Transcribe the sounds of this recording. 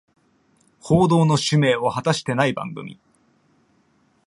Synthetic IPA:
ho̞ːd̪o̞ːno̞ɕɨme̞ːohat̪aɕi̥t̪e̞naibã̰ŋɡɯ̟̰mʲḭ

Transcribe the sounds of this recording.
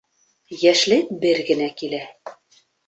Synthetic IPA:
jæʃlɘkbɘɾɡɘ̆nækilæ

